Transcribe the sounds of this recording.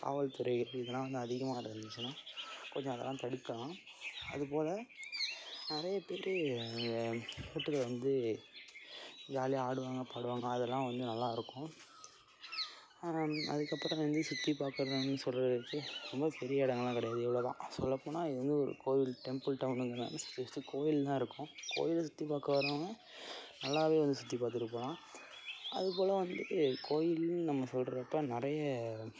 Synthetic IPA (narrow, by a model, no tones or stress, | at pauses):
pa̰ːʋɐlt̪ʊɾɐɪɣɐɾɪðɛlːãːʋɐnd̪ɯɐðɪɣɐmaːɪɾɐɾɯnd̪ɯt͡ʃːɯnːaːkɔɲd͡ʒɔ̃ɐðɛ̰lːãːt̪ɐɽɯkːɐlãː | ɐ̰ðɯpoːlɐ | nɪɾɐjɐpeːɾɯɡɐkuːʈːɯkːɐlʋɐnd̪ɯ | jaːliaːɽɯʋaːŋɡɐpaːɽɯʋaːŋɡɐːðɛlːãːʋɐnd̪ɯnɐlːaːɪɾɯkːʊ̃ | ɐ̰ðɯkːɐpːɾɐ̃ʋɐnd̪ɯsʊt̪ːipaːɾkɯɾɐðɯ̃nːɯsɔlɐɪɾɯkːɯɾɔmbɐpɛɾɪjɐɪɽɐŋɡɐlãːkɐɽɛjaːðɯɛʋɐɭoːt̪ã̰ːsɔ̰lːɐpːoːnːaːɪðɯʋɐnd̪ɯɔɾɯ̰koːjɪlʈɛmpɯlʈɐʊnɯŋɡɐnːa̰nːɯsʊ̥t̪ːɪɐst̪ːɯkoːjɪlt̪ãːɪɾɯkːʊ̃kʰo̰ːjɪlsʊt̪ːipaːkɯʋɐɾoːŋɡɐ | nɐlːaːʋeːʋɐnd̪ɯsʊt̪ːipaːɾt̪̬ːɪɾɯp̬ːoːlãː | ʔɐ̰ðɯpoːlɐʋɐnd̪ɯkʰoːjɪlnɐmːɐsɔlrɪɾɐpːɐnɪɾɐjɐ